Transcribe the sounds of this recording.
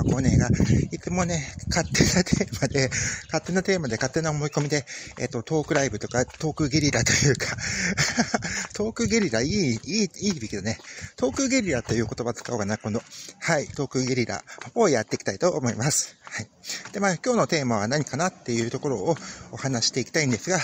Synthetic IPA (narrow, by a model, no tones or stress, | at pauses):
koːne̞ːɡait͡sɨmo̞ne̞kat̪ːe̞nat̪ʰeːmad̪e̞kat̪ːe̞nat̪e̞ːmad̪e̞kat̪ːe̞naomo̞iko̞mʲid̪e̞ḛt̪ːo̞t̪o̞ːkɯ̟ɾaibɯ̟t̪o̞kat̪o̞ːkɯ̟ɡʲeɾʲiɾat̪o̞jɯ̟ːka | t̪ʰo̞ːkɯ̟ɡʲeɾʲiɾaiiːiːbʲikʲid̪one̞t̪o̞ːkɯ̟ɡʲeɾʲiɾat̪ːo̞jɯ̟ːko̞t̪o̞bat͡sɨ̥kaokanakõ̞nd̪o̞hait̪o̞ːkɯ̟ɡʲeɾʲiɾa̰o̞jat̪ːe̞kʲi̥t̪ait̪o̞ʔːmo̞imasɨ̥haid̪̥e̞maːkʲo̞ːno̞t̪e̞ːmaβ̞anaɲ̟ikanat̪ːe̞jɯ̟ːt̪o̞ko̞ɾo̞ːhanaɕi̥t̪e̞ikʲi̥t̪aĩnd̪e̞sɨɡa